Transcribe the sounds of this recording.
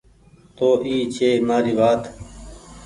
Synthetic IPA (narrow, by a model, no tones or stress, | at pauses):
t̪oːʔiːt͡ɕʰeːmaːɾiːʋaːt̪